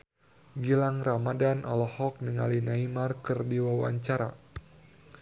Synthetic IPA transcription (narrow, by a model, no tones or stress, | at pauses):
ɡilaŋramadanʔɔ̰lɔhɔk̚niŋalinaimarkɨrdiwawa̰ɲt͡ʃaɾa̰